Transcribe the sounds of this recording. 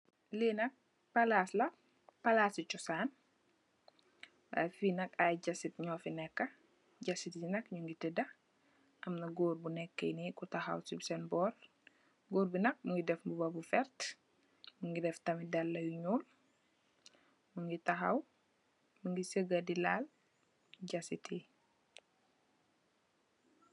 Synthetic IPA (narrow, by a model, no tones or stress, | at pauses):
linɐk̚ | pɐlaslɐ | pɐlasit͡ʃɔsaːn | a̰jfinɐkajɟɐsitɲɔːfinɛkːɐ | ɟɐsitjinɐkɲuŋɡitədɐ | ʔɐmnɐɡoːɾbunɛkːḛnikutɐxɐ̰wsibsɛnbɔɾ | ɡoːɾbinɐk̚muŋɡidɛfmbubɐbufɛɾt | muŋɡidɛftɐmidɐlːɐjuɲuːl | muŋɡitɐxɐ̰w | muŋɡisəɡɐdilal | ɟɐsitʰi